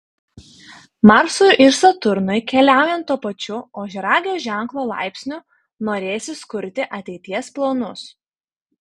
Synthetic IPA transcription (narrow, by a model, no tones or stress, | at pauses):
mɑɾsʊjʊʔɪɾsɐt̪ʊɾnɐɪkʲɛlʲæˑʊjɛnt̪̚t̪ːuɔpɐt͡ʃʲʊoːʒʲɛɾɑːɡʲɪjoːʒʲæˑŋˑklˠoːlˠɑ̰ˑɪpʲsʲnʲʊ | noːɾʲeːsʲɪskʊɾʲt̪ʲɪʔɐt̪ʲɛɪt̪ʲiɛsplˠoːnʊs